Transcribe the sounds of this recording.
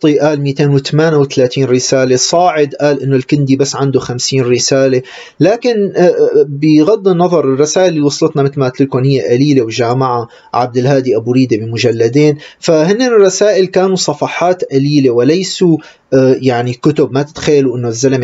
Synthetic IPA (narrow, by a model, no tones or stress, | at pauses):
t̪ˤiʔaːlmiːt̪eːnwɪt̪amaːnawɪt̪alaːt̪iːnɾɪsaːlesˤɑːʕɪd̪ʔaːlʔɪnːʊlkɪnd̪ibasːʕand̪oxamsiːnɾɪsaːle | laːkɪn | bɪɣɑd̪ːinːɑðˤɑɾˤɪrˤːɑsaːʔɪlːiːwɑsˤlɨt̪nɑmɪt̪lmaʔt̪lɪlkonhɪjːeʔaliːlewʒaːmaʕa | ʕab̚d̪ɪlhaːd̪iʔabuɾiːd̪ebɪmʊʒalːad̪eːnfahɪnːenɪrˤːɑsaːʔɪlkaːnusˤɑfɑħɑːt̪ʔaliːlewɪlajsu | jaʕnikʊt̪ʊbmat̪ɪ̥t̪xajːaluʔɪnːʊzːalm